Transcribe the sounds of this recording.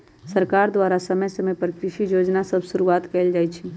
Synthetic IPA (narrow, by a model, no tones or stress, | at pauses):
sɐɾkaːɾd̪waːɾasɐməjsemẽpɾəkɾɪʃijoːd͡ʒnasɐbʱsʊɾuaːt̪kɛːld͡ʒaːit͡ʃʰi